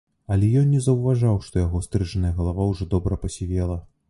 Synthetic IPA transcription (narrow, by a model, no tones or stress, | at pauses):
ɐlʲɛjɔnnʲɛzɐwvaʐawʂt̪ɔjaɣɔst̪ɾɨʐɐnɐjɐɣɐlˠavawʐɔd̪ɔbɾɐpɐsʲivʲɛlˠɐ